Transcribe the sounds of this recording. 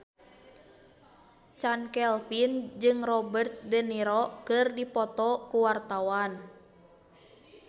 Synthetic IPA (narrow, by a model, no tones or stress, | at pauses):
t͡ʃankɛlfind͡ʒɨŋrɔbərt̪̚dɛniɾɔkɨrdipɔt̪ɔkuwart̪awan